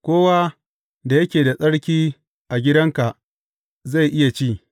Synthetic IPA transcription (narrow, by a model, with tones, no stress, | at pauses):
kʷoː˦wa˦ | da˨jɐ˦kʲeː˨da˨sʼɐ˦ɽkʲiː˦ | ʔa˨ɡʲɪ˦dɐ˦ŋka˨ʔ | za˦˨jʔɪ˦ja˨t͡ʃiː˦